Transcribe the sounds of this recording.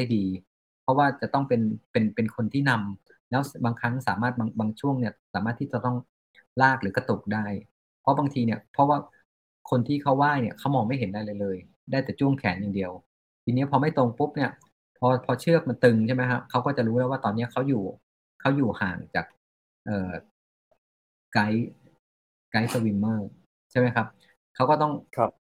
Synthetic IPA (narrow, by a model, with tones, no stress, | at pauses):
da˥˩jdiː˧ | pʰɔ˦˥waː˥˩t͡ɕa˨˩t̪ɔ˥˩ŋpe˧npe˧npe˧nkʰo˧nt̪ʰiː˥˩na˧m | lɛː˦˥wbaː˧ŋkʰa˦˥ŋsa̰ː˩˦maː˥˩t̪̚baː˧ŋbaː˧ŋt͡ɕʰu˥˩əŋni˥˩ɐsaː˩˦maː˥˩t̪ʰːiː˥˩t͡ɕa˨˩t̪ɔ˥˩ŋ | laː˥˩k̚lɯː˩˦ka˧t̪u˨˩k̚daː˥˩j | pʰɔ˧˦˥baː˧ŋt̪ʰiː˧ni˥˩əpʰɔ˧˦˥waː˥˩ | kʰo˧nt̪ʰiː˥˩kʰa˦˥waː˥˩jni˥˩ɐkʰa˦˥wmɔː˧ŋma˥˩jɦe˩˦nda˥˩jlɤː˧jlɤː˧j | daː˥˩jt̪ɛː˨˩t͡ɕʰu˥˩əŋkʰɛː˩˦nja˨˩ŋdi˧əw | t̪ʰiː˧nːi˦˥˩pʰɔː˧ma˥˩jt̪o˧ŋpu˦˥p̚ni˥˩ɐ | pʰɔː˧pʰɔː˧t͡ɕʰɯ˥˩ək̚ma˧nt̪ɯ˧ŋt͡ɕʰa˥˩ma˦˥jkʰa˦˥p̚kʰa˦˥wkɔː˥˩t͡ɕa˨˩ɾuː˦˥lɛː˦˥waː˥˩t̪ɔː˧nːi˦˥ɐ˨kʰa˦˥wjuː˨˩ | kʰa˦˥wjuː˨˩haː˨˩ŋt͡ɕa̰ː˨˩k̚ | ʔɤː˨˩ | ka˦˥j | ka˦˥jsa˧wi˧nmɤː˥˩ | t͡ɕʰa˥˩jma˦˥jkʰa˦˥p̚ | kʰa˦˥wkɔː˥˩t̪ɔ˥˩ŋʰ˧p